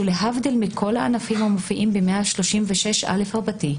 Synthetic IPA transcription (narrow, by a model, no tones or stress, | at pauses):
uleɦavd̪ilmikʰo̞laʔanafimhamofiʔimbemeaʃlo̞ʃimveʃe̞ʃʔa̰le̞faʁbati